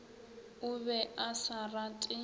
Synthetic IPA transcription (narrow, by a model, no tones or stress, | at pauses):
ʊβɛʔasaratʼɪ